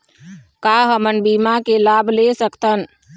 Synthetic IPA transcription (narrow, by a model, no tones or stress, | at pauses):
kaɦəmənbimakelaːbʱlesəkt̪ʰən